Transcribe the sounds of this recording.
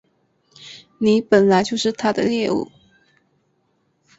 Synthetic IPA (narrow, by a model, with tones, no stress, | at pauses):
ni˨˧˥pə˨˩nla˧˥ɪt͡ɕjo˥˧ʊʂɻ̩˥˩t̪ʰa˥d̪ə̰˨ljɛ˥˧ṵ˥˩